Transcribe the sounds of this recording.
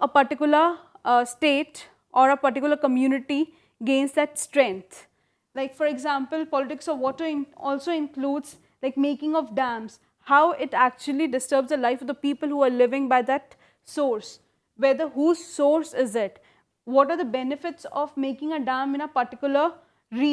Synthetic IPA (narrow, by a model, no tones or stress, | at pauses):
əpəɾʈɪkjʊləsʈeːʈ | ʔɔːɾəpəɾʈɪk̬jʊləɾkəmjuːnɪʈi | ɡẽːnsd̪æʈsʈɾɛ̃ŋkt̪ʰ | laɪkfɔɾeɡzãːmpəlpɔːlɪʈɪksɔʋːɔːʈəɾɪ̃nɔːlsoːɪ̃nkluːɖz | laɪkmeːkɪ̃ŋɔʋɖæ̃ːmz̥ | haʊʔɪʈæk̚t͡ʃuəliɖɪsʈəɾbzd̪əlaɪfɔʋd̪əpiːpəlhuːaːɾlɪʋɪ̃ŋbaɪd̪æʈ | soːɾs | ʋɛd̪əɾɦuːzsoːɾsɪzɪʈ | ʋɔʈaːɾd̪əbɛnɪfɪʈsɔ̰ʋmeːkɪ̃ŋəɖãːmɪ̃nəpəɾʈɪkjʊlə | ɾiː